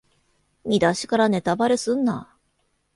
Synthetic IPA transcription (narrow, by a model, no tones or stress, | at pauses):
mʲid̪aɕi̥kaɾane̞t̪abaɾesɨ̃nːa̰